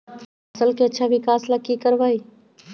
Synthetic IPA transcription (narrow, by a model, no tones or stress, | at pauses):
ɐsəlkeɐtːʃʰaʋɪkaːslɐkːikəɾʋaːi